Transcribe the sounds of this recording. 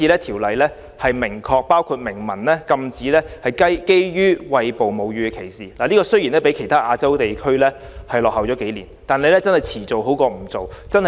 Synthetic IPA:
iː˧lɛː˥t̪ʰiː˨˩wlɐ˨jlɛː˥ | hɐ˨jmɪ˨˩ŋkʰɔː˧k̚paː˥wkʰuː˧t̚mɪ˨˩ŋmɐ˨˩nlɛː˥kɐ˧mt͡siː˨˥lɛː˥hɐ˨jkɐ˥jke˥jjyː˥wɐ˧jpo˨wmo˨˧wjyː˧kʰe˨˩jsiː˨˩laː˨liː˥kɔː˧sɵ˥ɥji˨˩nɛː˥p̬e˨˥jkʰe˨˩jt̪ʰaː˥ʔaː˧t͡sɐ˥wt̪e˨jkʰɵ˥ɥlɛː˥ | hɐ˨jlɔː˨khɐ˨wt͡sɔː˨˥ke˨˥jliː˨˩nt̪aː˨nle˨˧jlɛ˥t͡sɐ˥nhɐ˨jt͡sʰiː˨˩t͡so˨wɦo˨˥wkɔː˧m̩˨˩t͡so˨wt͡sɐ˥n˨

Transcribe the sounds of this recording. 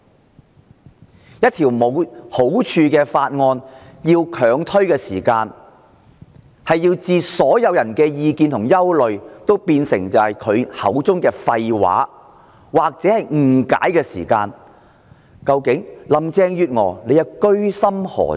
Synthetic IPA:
jɐ˥t̚t̪ʰiː˨˩wmo˨˧who˨˥wt͡ʃʰyː˧kɛː˧faː˧t̚ŋɔː˧njiː˧wkʰœː˨˧ŋt̪ʰɵ˥ɥkɛː˧sḭː˨˩kaː˧n | hɐ˨jːiː˧wt͡siː˨˧sɔː˨˥jɐ˨˧wjɐ˨˩nkɛː˧jiː˧kiː˧nt̪ʰʊ˨˩ŋjɐ˥wlɵ˨ɥt̪o˥wpiː˧nsɪ˨˩ŋt͡sɐ˨whɐ˨˩jkʰɵ˨˧ɥhɐ̰˨˥wt͡sʊ˥ŋkɛː˧fɐ˧jwa̰ː˨˥ | waː˨˩k̚t͡sɛː˨˥hɐ˨j̩˨˩ka̰ː˨˥jkɛː˧sḭː˨˩kaː˧n | kɐ˧wkɪ˨˥ŋlɐ˨˧mt͡sɛː˧ŋjyː˨t̚ŋɔ̰ː˨˩le˨˧jɐ˨˧wkɵ˥ɥsɐ˥mhɔ̰ː˨˩

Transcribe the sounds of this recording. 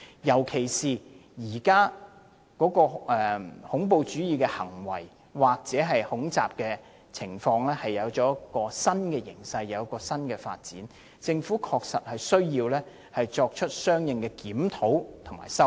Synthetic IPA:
jɐ˨˩wkʰe˨˩jsiː˨˩jiː˨˩kaː˥ | kɔː˨˥kɔː˧ʔɛː˨hʊ˨˥ŋp̬o˧wt͡ʃyː˨˥jiː˨˧kɛ˧hɐ˨˩ŋwɐ˨˩j | waː˨k̚t͡sɛː˨˥ɦɐ˨jhʊ˨˥ŋt͡saː˨p̚kɛː˧ | t͡sʰɪ˨˩ŋfɔː˧ŋlɛː˥hɐ˨jːɐ˨˧wt͡ʃɔː˨˥jkːɔː˧sɐ˥nkɛː˧jɪ˨˩ŋsɐ˧jjɐ˨˧wkɔː˧sɐ˥nkɛː˧fa̰ː˧t̚t͡sḭː˨˥n | t͡sɪ˧ŋfuː˨˥kʰɔː˧k̚sɐ˨t̚hɐ˨jsɵ˥ɥjiː˧wlɛː˥ | hɐ˨jt͡ʃɔː˧k̚t͡ʃʰɵ˥t̚sœː˥ŋjɪ˨ŋkɛː˧kiː˨˥mt̪ʰo˨˥wt̪ʰʊ˨ŋma̰ː˨˩jsɐ˥w

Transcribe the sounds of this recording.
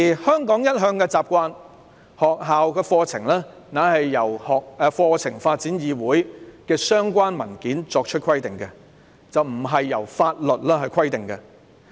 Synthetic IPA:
i˨˩hœː˥ŋkɔː˨˥ŋjɐ˥t̚ɦœː˧ŋkɛ˧t͡saː˨p̚kʷaː˧n | hɔː˨k̚ɦaː˨wkɛː˧fɔː˧t͡sʰɪ̰˨˩ŋlɛː˥ | naː˨˥hɐ˨jːɐ˨˩whɔː˨k̚ɛ˨˧fɔː˧t͡sʰɪ˨˩ŋfaː˧t̚t͡siː˨˥njiː˨˧wuː˨˥jkɛː˧sœː˥ŋkʷaː˥nmɐ˨˩nkiː˨˥nt͡ʃɔː˧k̚t͡ʃʰɵ˥t̚kʰɐ˥jt̪ɪ˨ŋkɛ˧ | t͡sɐ˨wm̩˨˩ɦɐ˨jːɐ˨˩wfaː˧t̚lɵ˨t̚lɛː˥ɦɐ˨jkʰwɐ˥jt̪ɪ˨˩ŋkɐ˧

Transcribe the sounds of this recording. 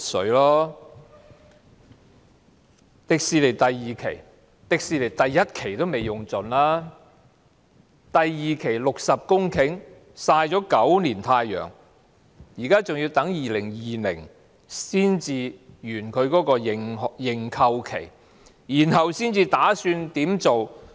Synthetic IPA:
sɵ˨˥lɔː˥ | t̪ɪ˨k̚siː˨le˨˩jt̪ɐ˨jːiː˨kʰḛ˨˩j | t̪ɪ˨k̚siː˨le˨˩jt̪ɐ˨jːɐ˥t̚kʰe˨˩jt̪o˥wme˨˩jjʊ˨˩ŋt͡sɵ˨nlaː˥ | t̪ɐ˨jjiː˨kʰe˨˩jlʊ˨k̚sɐ˨p̚kʊ˥ŋkʰɪ˨˥ŋ | saː˧jt͡sɔː˨˥kɐ˨˥wniː˨˩nt̪ʰaː˧jːœ̰ː˨˩ŋ | jiː˨˩kaː˥t͡sʊ˨ŋji˧wt̪ɐ˨˥ŋjiː˨lɪ˨˩ŋjiː˨lɪ̰˨˩ŋ | siː˥nt͡siː˧jyː˨˩nkʰɵ˨˧ɥkɔː˨˥kɔː˧jŋjɪ˨˩ŋkʰɐ˧wkʰe˨˩j | jiː˨˩nhɐ˨wsiː˥nt͡siː˧t̪aː˨˥syː˧nt̪iː˨˥mt͡so˨w

